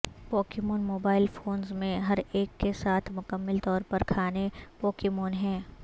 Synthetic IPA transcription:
pɔːkɪmoːnmoːbaːɪlfoːnzmẽɦɐɾeːkːesaːt̪ʰmʊkəmːəlt̪ɔːɾpɐɾkʰaːnepɔːkɪmoːnɦɛ̃ː

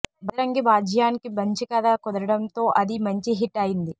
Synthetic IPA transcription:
bɐɾɐŋɡibaːd͡ʒʱjaːnikibɐɲt͡ʃikɐd̪aːkɔd̪ɐɾɐɽɐnt̪o̞ːʔɐd̪imɐɲt͡ʃiɦiʈːɐjind̪i

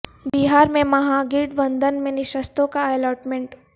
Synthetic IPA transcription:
biɦaːɾmẽmɐɦaɡɪɖbɐ̃nd̪ʱənmẽnɪʃəst̪õkaɛlɔːʈmẽɳʈ

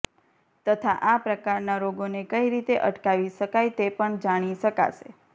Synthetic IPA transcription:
t̪ət̪ʰaʔapɾəkaɾnaɾoɡonekəiɾit̪eʔə̰ʈkaʋiʃəkajt̪epəɳd͡ʒaɽ̃iʃəka̰ʃe

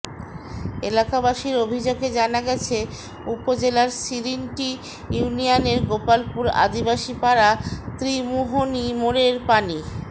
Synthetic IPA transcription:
elakabaʃiɾobʱid͡ʑoɡed͡ʑanaɡɛt͡ɕʰe | upod͡ʑelaɾsiɾinʈi | juunijaneɾɡopalpuɾa̰d̪ibaʃipaɾat̪ɾimuɦonimoɾeɾpani

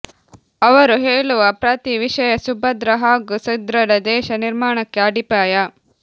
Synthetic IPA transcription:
ɐʋɐɾuɦeːɭuʋɐpɾɐt̪iʋiʃɐjɐsubʱɐd̪ɾɐɦaːɡusɐd̪ɾɐɾɐd̪ɛːʃɐniɾmaːɳɐkːeɐɖipaːjɐ

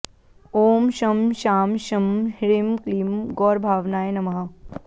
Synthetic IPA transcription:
oːmʃɐmʃaːmʃɐmhɪɾimkliːmɡɔːɾbʱaːʋnaːenɐmɐɦɐ

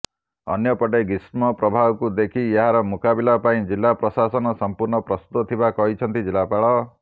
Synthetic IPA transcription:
ʌnjʌpɔʈeɡismɔpɾɔbʱabkud̪ekʰieɦaɾɔmukabilapaĩd͡ʒilːapɾɔsasɔnɔsʌmpuɾɳɔpɾʌst̪ut̪ɔt̪ʰibakɔɦit͡ʃʰʌnt̪id͡ʒilːapaɭɔ

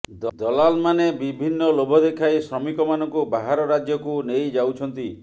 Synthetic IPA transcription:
d̪d̪ɔlalmanebibʱinːɔlobʱɔd̪ekʰajsɾɔmikɔmanɔŋkubaɦaɾɔɾad͡ʒjɔkunejd͡ʒawt͡ʃʰɔnt̪i

